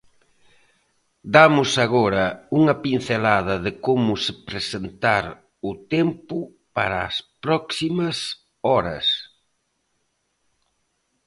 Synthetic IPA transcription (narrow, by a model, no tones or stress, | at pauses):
d̪amʊsaɣɔɾɐuŋɐpin̟θelaðɐðɪkomʊsɪpɾesent̪aɾ | ʊt̪ɛmpʊ | paɾaːspɾɔksimɐs | ɔɾɐ̰s